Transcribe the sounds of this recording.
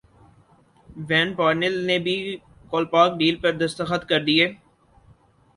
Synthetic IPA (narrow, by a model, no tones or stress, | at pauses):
ʋɛ̃ːnpaːɾnɪlnebʱi | koːlpaːk̚ɖiːlpɐɾd̪ɐst̪əxət̪kɐɾd̪ieː